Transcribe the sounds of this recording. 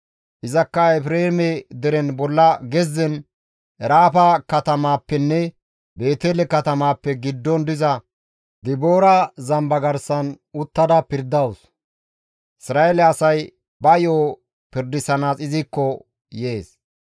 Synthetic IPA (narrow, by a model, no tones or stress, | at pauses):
ʔɪzɐkːɐɛpɾeːmɛd̪ɛɾɛnbɔlːɐɡɛzːɛn | ɛɾaːpɐkɐt̪ɐmaːpːɛnːɛ | be̞ːt̪elɛkɐt̪ɐmaːpːɛɡɪd̪ːɔnd̪ɪzɐ | d̪ɪboːɾɐzɐmbɐɡɐɾsɐn | ʊt̪ːɐd̪ɐpɪɾd̪ɐws | ʔɪsɾaːelɛɐsɐj | bɐjoː | pɪɾd̪ɪsɐnaːsɪzɪkːɔ | jeːs